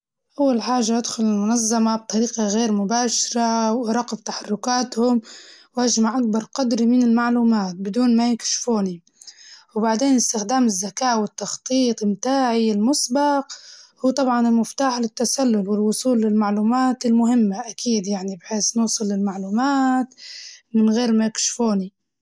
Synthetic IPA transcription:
ʔawːalħaːʒːaʔad̪xʊlɪlmʊnazːamab̚t̪ˤɑɾiːqɑɣeːɾmʊbaːʃɪɾawɾˤɑqbt̪aħarˤːʊkaːt̪hʊmwʔaʒmaʕʔak̚bɑɾˤqɑd̪ɾimɪnɪlmaʕluːmaːt̪̚bɪd̪uːnmajɪkʃfuːni | wbaʕd̪eːnɪst̪ɪxd̪aːmɪzːakaːʔwɪt̪ːɑxt̪ˤiːt̪ˤɪmt̪aːʕilmʊsbɑqhuːt̪ˤɑbʕɑnɪlmʊft̪aːħlɪt̪ːasalːʊlwɪlwʊsˤuːlːɪlmaʕluːmaːt̪ɪlmʊɦɪmːaʔakʰiːd̪jaʕnibħeːsnuːsˤɨlːɪlmaʕluːmaːt̪mɪnɣeːɾmajɪkʃfuːni

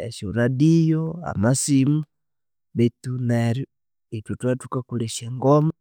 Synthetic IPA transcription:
ḛʃoɾadijoa̰masimu | βetuneɾju | itutwatukakuleʃeŋɡoma

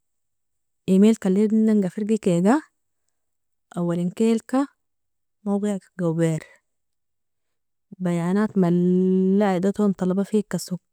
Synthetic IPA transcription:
ʔimeːlkalːid̪naŋɡafiɾɡikeːɡa | ʔawːalinkeːlka | mawɡeʕɡawbeːɾ | bajʕanaːt̪malːaʕid̪at̪ont̪ˤɑlɑbafikːasuɡ

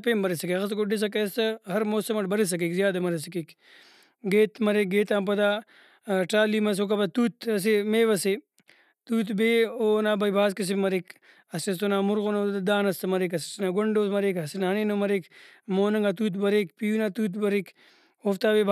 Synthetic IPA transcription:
peːmbɐɾisɐkeɐskoɖis̬ɐkest̪ɐɦɐɾmoːsɐmɐʈbɐɾis̬ɐk̬ekzjaːd̪ɐmɐɾis̬ɐkek | ɡeːt̪mɐɾek̚ɡeːt̪aːmp̬ɐd̪aː | ʈaːliːmɐs̬ok̬ɐbɐt̪uːt̪ɐs̬imeːʋɐse | t̪uːt̪̬beːoːnaːbɐjbʱaːskɐs̬imːɐɾik | ɐsɐst̪onaːmʊɾɣonod̪aːnɐst̪ɐmɐɾekɐsisinaːɡoɳɖoːsmɐɾeːkɐsinɦɐneːnomɐɾek | moːnɐŋɡat̪̬uːt̪bɐɾekpijuːnat̪uːt̪̬bɐɾik | oːft̪aːʋeːb

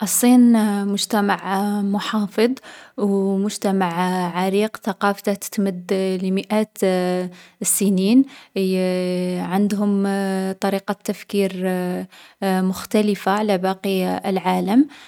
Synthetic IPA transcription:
ʔɑsˤːiːnmʊʒt̪æmaʕmʊħɑfɨd̪ˤwmʊʒt̪æmaʕʕaɾiːqθaqɑft̪at̪ə̥t̪məd̪lməʔæt̪ | sːəniːn | ʕand̪ɦʊmt̪ˤɑɾiqɑt̪ːafkiɾ | mʊxt̪æləfaʕalæbɑqilʕaləm

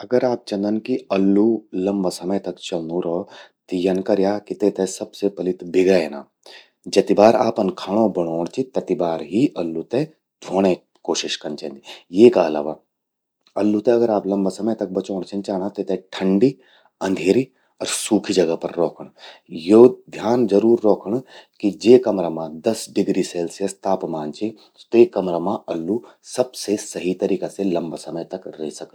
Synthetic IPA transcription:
ɐɡəɾaːp̚t͡ʃɐ̃nd̪ənkiɐlːulɐmbasɐməjt̪ɐkt͡ʃɐlnuɾɔːt̪ijɐnkɐɾjaːkit̪eːt̪ɛsɐbsepɐlɪt̪bɪɡaeːna̰ː | d͡ʒɐt̪ibaːɾa̰ːpɐnkʰaːɽ̃õbɐɽ̃oːɳ̃t͡ʃit̪ɐt̪ibaːɾɦiʔɐlːut̪e | d̪ʱoːɽ̃ẽ | koːʃɪʃkɐnt͡ʃẽnd̪ijeːkaɐla̰ːʋa | ɐlːut̪ẽɐɡəɾaːplɐ̃mbasɐməjt̪ɐk̚bɐt͡ʃoːɽ̃t͡ʃẽnt͡ʃaːnat̪et̪ɛ̃ʈʰɐ̃ɳɖi | ɐ̃nd̪ʱeːɾi | ɔːɾsuːkʰid͡ʒɐɡəpɐɾːɔːkʰəɽ̃joːd̪ʱjaːnd͡ʒɐɾuːɾːɔːkʰəɳ̃kid͡ʒeːkɐmɾamãd̪ɐsɖɪɡɾiseːlsijəst̪aːpmaːnt͡ʃʰĩ | t̪oeːkɐmɾamãɐlːusɐbsesɐɦit̪ɐɾiːkaselɐ̃mbasɐməjt̪ɐkɾḛːsɐk

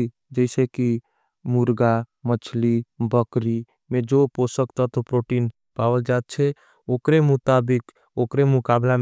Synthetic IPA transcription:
d͡ʒəɪseki | muɾɡamət͡ʃʰlibəkɾi | med͡ʒoposəkt̪ət̪opɾoʈin | pawəld͡ʒat̪̚t͡ʃʰɛ | okɾemʊt̪abɪk | okɾemʊkabla

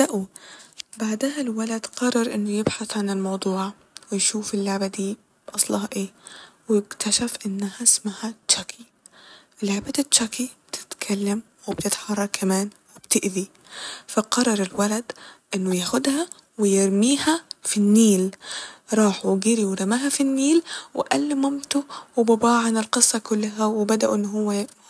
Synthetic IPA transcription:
dæʔuːbaʕd̪æhælwælæd̪qɑrˤːɑɾˤʔɪnːojebħaθʕanelmɑwd̪ˤuːʕ | wejʃuːfelːoʕbæd̪iː | bʔɑsˤlɑhɑʔeːwekt̪ʰæʃæfʔɪnːæhæsmahætʃækʰi | elːʕbæːd̪it̪t͡ʃækib̥et̪ʰɪ̥t̪kʰælːæm | webt̪et̪ħɑrˤːɑkʰːæmæːn | wɪb̥t̪ɪʔði | faqɑrˤːɑɾˤɪlwalad̪ʔɪnːʊjaːxʊd̪hæ | wɪjɪɾmiːhæfinːiːlɾˤɑːħɡiɾiwɪɾˤɑmaːɦæfinːiːlwɪ̰ʔælːɪmʊmt̪ʊwɪbɑbɑːʕanɪlqɨsˤːɑkʊlːaɦæwɪbæd̪aʔṵʔɪnːɦʊwːæ

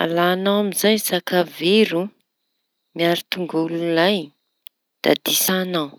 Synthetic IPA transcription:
a̰laːnawamizajsakaveɾu | miaɾit̪uŋɡululaj | d̪̥a̰d̪̥isanaw

